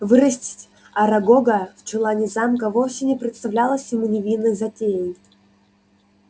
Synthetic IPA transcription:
vɨɾəsʲtʲɪ̥tʲ | ɐɾɐɡoɡəft͡ɕɪlˠanʲɪzamkəvofsʲɪnʲɪpɾʲɪt̪st̪ɐvlʲalˠəsʲjɪmɨnʲɪvʲinəzɐtʲejɪnʲ

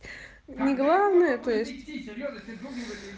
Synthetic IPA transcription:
nʲɪɡlˠavnəjət̪ojɪsʲtʲ

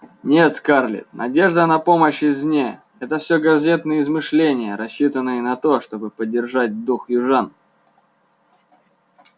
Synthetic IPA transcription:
nʲe̞t̪skarlʲɪ̰t̪nɐ̰dʲe̞ʐd̪ənɐpo̞məɕɪzʲnʲe | ɛt̪əfsʲoɡɐzʲet̪nɨjəɪzmɨʂlʲenʲɪjəɾɐɕːit̪ənːɨjənɐt̪o̞ʂt̪o̞bɨpədʲːɪrʐat̚ʲd̪uxjʊʐan

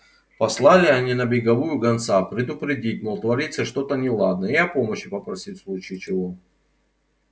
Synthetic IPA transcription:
pɐslˠalʲɪɐnʲinɐbʲɪɡɐvujʊɡɐnt̪sapɾʲɪd̪ʊpɾʲɪdʲit̚ʲməlˠt̪vɐɾʲit̪səʂt̪o̞t̪ənʲɪlˠad̪̚nəɪɐpoməɕːɪpəpɾɐsʲitʲslˠut͡ɕijt͡ɕɪvo

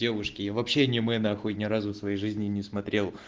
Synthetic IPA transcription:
evʊʂkʲɪjavɐpɕːenʲɪmɛnɐɐxojnʲɪɾazʊfsvɐjejʐɨzʲnʲɪnʲɪsmɐt̪ɾʲelˠ

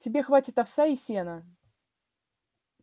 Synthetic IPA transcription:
tʲɪbʲe̞xvatʲɪt̪ɐfsʲaisʲenə

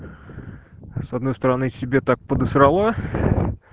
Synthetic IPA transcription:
sɐd̪nojst̪əɾɐnɨsʲɪbʲet̪ak̚pəd̪ɨsɾɐlˠa

